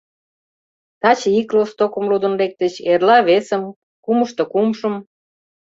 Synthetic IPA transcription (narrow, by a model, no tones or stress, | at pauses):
t̪ɑt͡ɕəiklost̪okə̆mlud̪ə̆nlek̚t̪ət͡ɕerlɑβesə̆m | kuməʃt̪ŏkumʃə̆m